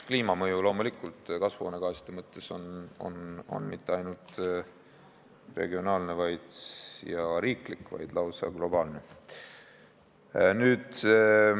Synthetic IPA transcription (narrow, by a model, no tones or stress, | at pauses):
kliːmɑmɤjulo̞mulikːˑult̪ˑkɑsvo̰ːneɡɑːsi̥d̪̥emɤt̪ˑːe̞so̞no̰no̞̰nmit̪ːˑe̞ɑjnult̪ | re̞̰ɡio̞nɑːlnevɑjd̪̥jɑɾiːklikːvɑ̰jd̪̥lɑwsɑ̰ɡ̥lo̞b̥ɑːlne | nyːd̪̥